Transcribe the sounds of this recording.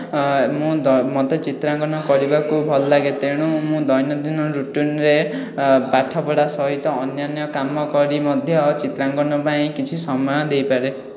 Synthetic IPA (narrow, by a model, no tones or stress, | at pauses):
mũmɔt̪et͡ʃit̪ɾaŋɡɔnɔkɔɾibakubʱɔlːaɡet̪eɽ̃ũmũd̪ɔjnɔd̪inɔɾuʈinɾe | paʈʰɔpɔɽasɔɦit̪ɔːnjanjɔkamɔkɔɾimɔd̪ʱjɔt͡ʃit̪ɾaŋɡɔnɔpaĩkit͡ʃʰisɔmɔjɔd̪ejpaɾe